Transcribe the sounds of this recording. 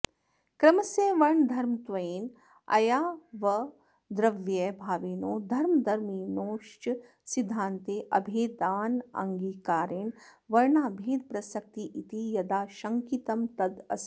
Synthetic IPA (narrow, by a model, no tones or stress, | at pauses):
kɾɐmɐseːʋɐɾɳd̪ʱɐɾmt̪ʋɐiːn | ɐ̰jaːʋɐ | d̪ɾɐʋjebʱaːʋiːnoːd̪ʱɐɾmd̪ʱɐɾmiːnoːʃt͡ʃ | sid̪ʱːaːnt̪eːʔɐbʱeːd̪aːnɐ̰ŋɡiːkaːɾeɳʋɐɾɳaːbʱeːd̪pɾɐsɐk̚t̪iʔit̪ijɐd̪aːʃɐŋkit̪ɐmt̪ɐd̪ɐ̰s